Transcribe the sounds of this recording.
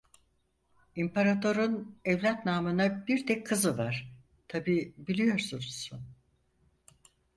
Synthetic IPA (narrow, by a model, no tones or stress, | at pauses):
impʰaɾat̪ʰo̞ɾunɛvlʲat̪naːmɯnabiɾt̪ʰɛkkʰːɯzɯvaɾ̥ | t̪ʰabiːbilʲijo̞ɾsunsun